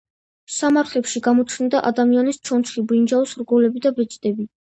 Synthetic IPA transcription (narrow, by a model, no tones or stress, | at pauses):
samaɾt̪ʰlɛpʃiɡamɔt͡ʃʰnd̪aʔad̪amianist͡ʃʰɔnt̪ʰχibind͡ʒaɔsɾɡɔlɛbid̪abɛt͡ʃʼt̪ʼɛbi